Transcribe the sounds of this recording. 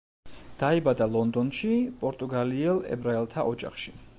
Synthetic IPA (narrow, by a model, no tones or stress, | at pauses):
d̪̥aɛbad̪alˠɔnd̪ɔnʃipʼɔɾt̪ʼuɡaliɛlˠɛ̰bɾaɛlˠt̪ʰaʔɔd͡ʒa̰χʃi̥